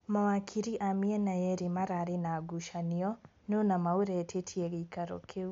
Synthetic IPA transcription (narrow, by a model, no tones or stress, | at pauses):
mawakʰiɾiʔamiɛnajɛɾemaɾaːɾenaːɡuʃaniɔ | nonamauɾɛːtʰetʰiɛɣeikaɾo̰kʰeu